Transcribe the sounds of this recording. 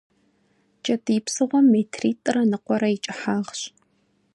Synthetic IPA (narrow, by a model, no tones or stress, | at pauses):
t͡ʃʼɐtʼiːpsɨʁʷɔmːeːtʰriːtʼːɨrɐnɨqʷɔɾɐit͡ʃʼɪħaːʁɕ